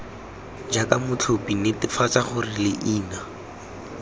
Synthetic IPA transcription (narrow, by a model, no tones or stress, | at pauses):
d͡ʒakamʊt͡ɬʰʊpinɪtɪfat͡saχʊrɪlɪʔiːna